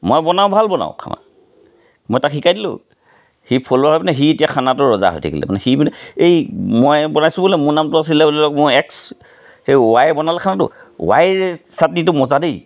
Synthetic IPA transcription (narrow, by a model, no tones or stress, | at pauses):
mɔjbɔnawbʱalbɔna̰ʊ̃kʰa̰ma̰ | mɔjtakhikajdilʊ̰̃ | hipʰolɔɦɔjpanɛɦietijakʰanatʊɹɔza̰ɦo̰jtʰa̰kḭlɛ̰manɛxibnɛejmɔjbɔnajsʊ̃bolɛmʊɹnamtʊas̬ilɛbolɛlɔkmʊɛks | hejwajɛbɔnalɛkʰanatʊ̰wajsat̚nitʊmɔzadej